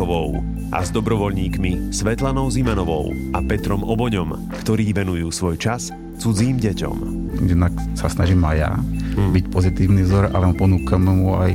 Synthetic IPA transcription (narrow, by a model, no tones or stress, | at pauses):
ɔʋɔʊ | ʔa̰zd̪ɔbɾɔʋɔʎɲiːkmisʋɛt̪lanɔʊzimanɔʋɔ̰ʊʔapɛt̪ɾɔmʔɔbɔɲɔm | kt̪ɔɾiːʋɛnujuːsʋɔjt͡ʃas | t͡sud͡ziːmɟɛcɔ̰m | jɛd̪naksasnaʒimaja̰bicpɔzit̪iːʊnivzɔɾa̰lɛmpɔnuːkamɛmuaj